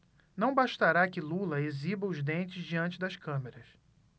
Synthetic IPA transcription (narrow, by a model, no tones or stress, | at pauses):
nɐ̃w̃baʃt̪aɾakɪlulɐezibɐʊzd̪ẽnt͡ʃɪzd͡ʒiɐ̃nt͡ʃɪd̪ɐʃkɐ̃meɾɐs